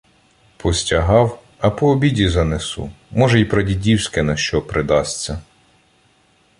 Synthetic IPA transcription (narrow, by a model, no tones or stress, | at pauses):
pʰɔsʲtʲɐɦɑw | ɐpɔːbʲidʲizɐnesṵ | mɔʒɛipɾɔdʲidʲiwsʲkɛnɐʃt͡ʃɔpɾɪd̪ɑsʲt͡sʲːɐ